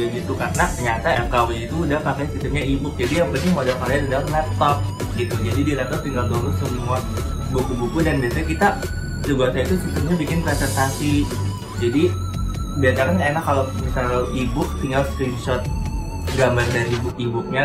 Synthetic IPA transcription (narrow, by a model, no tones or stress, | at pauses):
ɡit̪ukarnat̪ɲat̪aɛkawit̪uːdahpakajsist̪əmɲaibʊk̚d͡ʒadijaŋbənɪŋmodakalaanudalnɛp̚t̪ɔk̚ | ɡit̪ud͡ʒadidinɛp̚t̪ɔk̚t̪iŋɡald̪uɾʊksəmua | bukubukudanbiasakit̪a | səɡasait̪usist̪əmɲabikɪnpɾesɛnt̪asi | d͡ʒadi | biat͡ʃakanenakːalomisalibʊk̚t̪iŋɡalskɾinʃɔt̪̚ | ɡambardanibʊk̚ibʊk̚ɲa